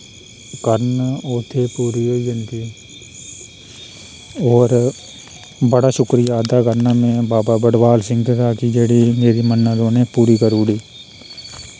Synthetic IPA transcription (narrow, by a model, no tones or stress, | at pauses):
kəɾnoːt̪ʰepuːɾioːiənk̪iː | ɔːɾ | bəɽaʃʊkɾijaːd̪akəɾnaːmẽbaːbaːbəɽʋaːlsɪ̃ŋɡkaːkid͡ʒeːɽimeːɾimənːəd̪oːnẽpuːɾikəɾuːɽiː